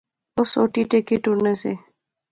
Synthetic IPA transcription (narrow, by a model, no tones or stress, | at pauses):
osoʈiʈekeʈunese